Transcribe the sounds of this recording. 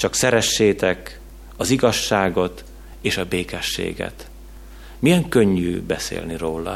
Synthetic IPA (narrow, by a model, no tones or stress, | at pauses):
t͡ʃɒksɛɾɛʃːeːt̪ɛk | ɒziɡɒʃːaːɡo̞t̪ | eːʃɒbeːkɛʃːḛːɡɛ̰t̪ | mijɛŋkøɲːyːbɛsḛːlniroːlɒ̰